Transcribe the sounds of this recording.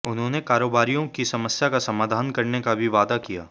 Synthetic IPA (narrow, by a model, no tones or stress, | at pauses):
ʊnɦõnekaːɾoːbaːɾijõkisɐməsjakasɐmaːd̪ʱaːnkɐɾnekabʱiʋaːd̪akija̰ː